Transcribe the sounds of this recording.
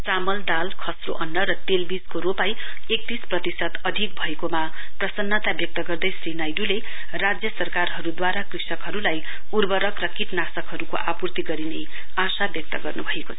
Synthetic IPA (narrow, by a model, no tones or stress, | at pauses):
t͡samʌld̪alkʰʌsro̰ʔʌnːʌɾʌt̪elbid͡zkoɾopaj | ek̚t̪isprʌt̪isʌt̪ʌd̪ʱik̚bʱʌekoma | prʌsʌnːʌt̪abjʌk̚t̪ʌɡʌrd̪ʌjsrinajɖule | rad͡zjʌsʌrkarɦʌɾud̪waɾakrisʌkɦʌɾulaj | urbʌɾʌkrʌkiʈnasʌkɦʌɾuko̰ʔapurt̪iɡʌɾine | asabjʌk̚t̪ʌɡʌrnubʱʌekot͡sʰʌ